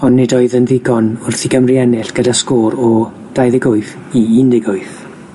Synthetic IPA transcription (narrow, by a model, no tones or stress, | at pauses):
ɔnːɪdɔɨðənðɪɡɔnʊrθiɡəmriɛnɪɬɡ̥ədaskoːɾɔ | d̥ajðɪɡʊɨθ | iindɪɡʊɨθ